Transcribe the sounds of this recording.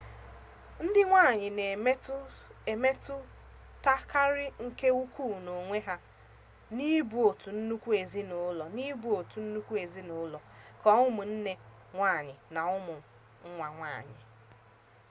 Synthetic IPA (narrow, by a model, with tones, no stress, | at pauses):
n̩˦dɪ˦ŋʷaː˦˨ɲɪ˨ne˨˦e˨me˦tʊ˦ | ta˦ka˦ɾɪ˦ŋ̩˦ke˦u˦kʰu˦˨no˨ŋʷe˦ɦa˦ | ni˦bu˨o˨tu˨n̩˦nu˦kʷu˦e˨zi˦nʊ˨˦lɔ˨ni˦bu˨o˨tu˨n̩˦nu˦kʷu˦e˨zi˦nʊ˨ʊ˦lɔ˨kɔ˦ʊ˦mʊ˨n̩˦ne˦ | ŋʷaː˦˨ɲɪ˨na˨ʊ˦mʊ˨ | ŋ̩˦ŋʷa˨ŋʷa̰ː˦˨ɲɪ̰˨